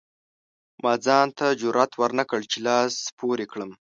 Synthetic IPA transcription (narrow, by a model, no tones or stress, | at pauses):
mɑd͡zɑnt̪ad͡ʒʊɾat̪waɾnakəɭt͡ʃelɑspʰoɾekɽəm